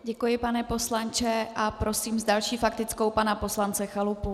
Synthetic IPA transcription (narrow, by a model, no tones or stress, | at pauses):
ɟɛkujɪpanɛpo̞slant͡ʃɛʔapɾo̞siːmzdalʃiːfakt̪ɪt͡sko̞wpanapo̞slant͡sɛxalupu